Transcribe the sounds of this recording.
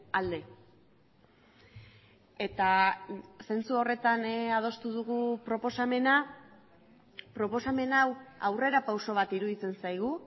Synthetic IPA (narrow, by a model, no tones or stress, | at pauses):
ald̪e̞ | e̞t̪a | se̞nt͡suo̞re̞t̪anað̞o̞st̪uð̞uɣupɾo̞po̞same̞na | pɾo̞po̞same̞nawawre̞ɾapawso̞β̞at̪iɾuðit͡se̞nsajɣ̞u